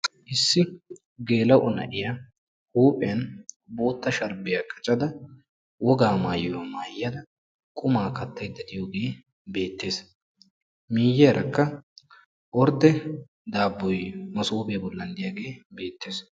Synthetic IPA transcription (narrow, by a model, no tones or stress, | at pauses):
ʔɪsːɪ | ɡe̞ːlɐwʔɔnɐ̰ʔɪja | huːpʼɛn | bo̞ːt̪ːɐʃɐɾbɪjɐkʼɐt͡ʃʼɐd̪ɐ | wɔɡaːmaːjɪwamaːjɪjɐd̪ɐ | kʼʊmaːkɐt̪ːɐjd̪ːɐd̪ɪjoːɡe̞ː | be̞ːt̪ːe̞ːs | miːjːɛɾʔɐkːɐ | ʔɔɾd̪ɛ | d̪aːbːɔjmɐsuːbeːbɔlːɐnd̪ɪjaːɡe̞ːbe̞ːt̪ːe̞ːs